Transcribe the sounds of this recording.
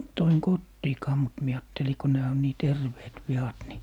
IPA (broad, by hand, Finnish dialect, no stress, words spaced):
toiŋ kotːiːkɑː mut mie ɑːtːeli ko næː on niː terʋeːt ʋiɑt ni